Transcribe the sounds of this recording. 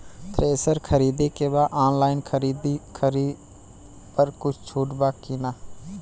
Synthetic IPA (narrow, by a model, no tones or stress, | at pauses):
t̪ɾeːsəɾkʰəɾiːd̪ekebaːd̪aːnlaːɪnkʰəɾiːd̪ikʰəɾi | pəɾkʊt͡ʃʰt͡ʃʰuːʈbaːkina